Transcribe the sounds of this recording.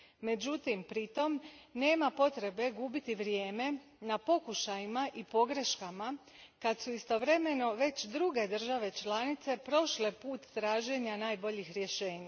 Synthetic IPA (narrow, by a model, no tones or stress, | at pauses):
me̞d͡ʑut̪impɾit̪o̞mne̞ːmapo̞t̪ɾe̞be̞ɡuːbit̪iʋɾje̞ːme̞ | napo̞kuʃajimaʔipo̞ɡɾe̞ʃkama | kad̪suist̪o̞ʋɾe̞me̞no̞ʋe̞t͡ɕd̪ɾuɡe̞d̪r̩ʒaʋe̞t͡ʃlanit̪se̞pɾo̞ʃle̞puːt̪ːɾaːʒe̞ɲanaːjbo̞ʎixɾje̞ʃe̞ːɲa